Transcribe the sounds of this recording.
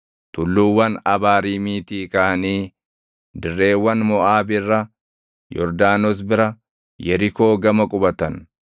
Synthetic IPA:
t̪ʊlːuːwːɐnɐbaːɾiːmiːt̪iːkɐʔɐniː | d̪ɪrːe̞ːwːɐnmɔʔaːbɪrːɐ | jɔ̰ɾd̪aːnɔs̬bɪɾɐ | jɛɾɪko̞ːɡɐmɐkʼʊbɐt̪ɐn

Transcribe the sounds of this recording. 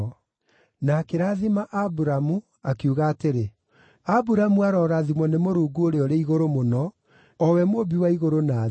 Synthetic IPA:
nakeɾaːðimaʔabuɾamu | akuɣaːteɾe | abuɾamuaɾɔːɾaːðimɔnemoɾuːɡuoɾeɔɾeiɣoɾomonɔ | ɔwɛmobiwaiɣoɾona

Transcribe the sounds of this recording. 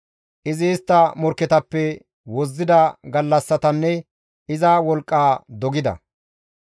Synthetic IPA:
ʔɪzɪːst̪ːɐmɔɾkːɛt̪ɐpːɛ | wɔzːɪd̪ɐɡɐlːɐsːɐt̪ɐnːɛ | ɪzɐwɔlkʼːaːd̪ɔɡɪd̪ɐ̰

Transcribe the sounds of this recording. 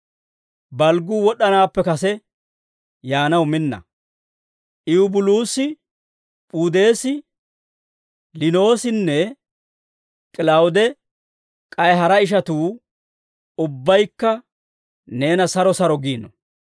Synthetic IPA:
bɐlɡuːwɔɗɐnaːpːɛkɐsɛ | jaːnɐwmɪnːɐ̰ | ʔɪʊbʊluːsɪ | pʼuːd̪e̞ːsɪ | lɪno̞ːsɪnːɛ | kʼɪlawʊd̪ɛ | kʼɐjɦɐɾɐɪʃ̬ɐt̪uː | ʊbːɐjkːɐ | ne̞ːnɐsɐɾɔsɐɾɔɡiːnɔ

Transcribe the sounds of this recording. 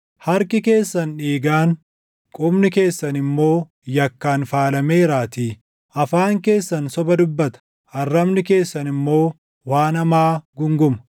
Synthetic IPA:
hɐɾkɪke̞ːsːɐnᶑiːɡaːn | kʼʊbnɪke̞ːsːɐnɪmːo̞ː | jɐkːaːnfaːlɐme̞ːɾaːt̪iː | ʔɐfaːŋke̞ːsːɐnsɔbɐd̪ʊbːɐt̪ɐ̥ | ʔɐrːɐmnɪke̞ːsːɐnɪmːo̞ː | waːnɐmaːɡʊŋɡʊmɐ̥

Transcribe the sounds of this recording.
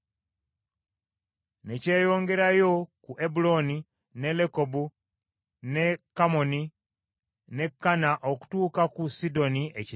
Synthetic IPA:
nece̞ːjo̞ːŋɡe̞ɾajo̞kuʔebulo̞ni | ne̞lekobu | ne̞kːamo̞ni | ne̞kːanaʔo̞ku̥tuːkakusido̞nieci

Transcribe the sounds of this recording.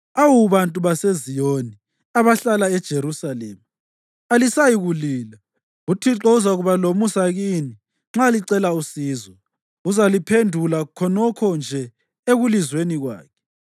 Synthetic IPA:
awuβantʼuβasezijoni | aβaɬalaɛd̥ʒ̥ʱeɾusalḛːma | alisajiɣuliːla | utʰiǁɔuzaɣuβalomusaɣiːni | ŋ͡ǁaliǀɛlausiːzɔ | uzalipʰendʱulakʰɔnɔkʰɔnd͡ʒʱɛ | eɣulizweniɣwa̰ːkʰɛ̥

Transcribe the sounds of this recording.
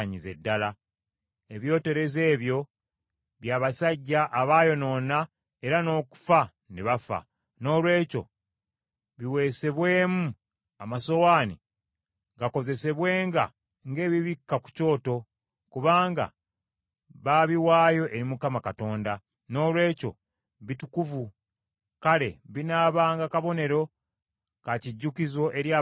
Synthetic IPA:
ɲize̞dːala | e̞βjo̞ːte̞ɾe̞ze̞ːβjo̞ | βjaːβasaɟːaʔːβaːjo̞no̞ːna | e̞ɾano̞ːku̥fa | neβafa̰ | no̞ːlwe̞ːco̰ | βiwe̞ːse̞βwe̞ːmu | amaso̞waːni | ŋɡako̞ze̞se̞βwe̞ːŋɡa̰ | ŋɡe̞ːβiβikːaku̥co̞ːto̞ | kuβaːŋɡa̰ | βaβiwaːjo̞ʔe̞ɾimukamakato̞ːnda | no̞ːlwe̞ːco̞̰ | βitukuvu | kale̞βinaːβaːŋɡakaβo̞ne̞ɾo̞ | kaciɟːukizo̞ʔe̞ɾjaː

